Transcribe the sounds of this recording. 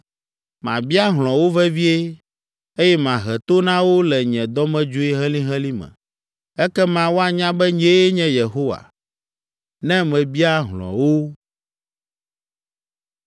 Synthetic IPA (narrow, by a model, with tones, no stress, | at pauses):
mã̰˨bi˦a˦ɦl̃ɔ̃˨wo˦vɛ˦vi˦e˦ | e˦jɛ˦mã˨ɦɛ˨t̪o˦nã˦wo˦lɛ˨ɲɛ̃˨d̪ɔ˦mɛ̃˦d͡ʒu˦e˦ɦɛ̃˦lĩ˦ɦɛ̃˦lĩ˦mɛ̰̃˨ | ɛ˦kɛ˦mã˨wo˦a˨ɲã˦bɛ˦ɲɛ˦je˦ɲɛ̃˦je˨ɦo˦wa̰˨ | nɛ̃˦mɛ̃˨bi˦a˦ɦlɔ̰̃˨wo˦